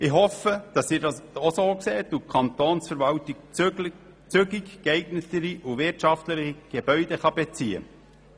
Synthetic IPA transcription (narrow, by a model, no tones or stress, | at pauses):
ɪhɔfəd̥ɑsɪːɾdɑsosoːkseːt̪ukʰɑnt̪oːnsfəɾʋɑltik̚ | t͡sʏɡikkɛɪɡnətəɾiʔuʋɪrtʃɑftləχiɡ̥eb̥œɥd̥ɛχɑbet͡siːə̰